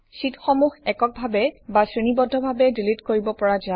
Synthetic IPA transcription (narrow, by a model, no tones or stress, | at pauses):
sitxɔmuxɛkɔk̚bʱabɛbasɹinibɔdʱːɔbʱabɛdilitkoɹibɔpɔɹaza